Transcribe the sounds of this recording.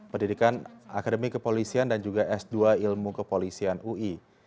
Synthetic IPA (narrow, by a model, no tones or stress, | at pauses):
pərndidikanakadəmikəpolisiandand͡ʒuɡaʔɛsduailmukəpolisianui